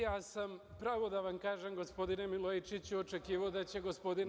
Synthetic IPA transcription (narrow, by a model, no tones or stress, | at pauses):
jaːsam | pɾaːʋo̞d̪aʋamkaːʒemɡo̞spo̞d̪ine̞milˠojit͡ʃit͡ɕuot͡ʃe̞kiːʋaod̪at͡ɕe̞ɡo̞spo̞d̪in